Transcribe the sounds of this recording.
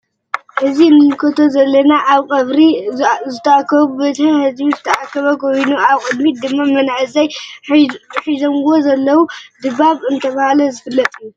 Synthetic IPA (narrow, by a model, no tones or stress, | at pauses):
ʔɨzinɨjkʰot̪ʰozɐlːɐnaʔaβkʼɐβɾizɨt̪ʰɐakːɐβubɐt̪ʰhɨhɨzbizɨt̪ʰɐʔakʰːɐβɐɡojnuaβkʼɨd̪mit̪̚d̪ɨmːamɐnʕɨzaj | ħizomwozɐlːɐwud̪ɨβaβɨnt̪ʰɐβahalɐzɨfɨlːɐt̪ʼɨju